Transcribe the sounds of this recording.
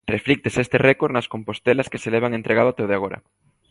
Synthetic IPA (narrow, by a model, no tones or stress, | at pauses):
reflik̚t̪esest̪erɛkoɾnɐskompost̪elɐskeseleβ̞aŋent̪ɾeɣaðat̪ewðeaɣ̞oɾɐ̰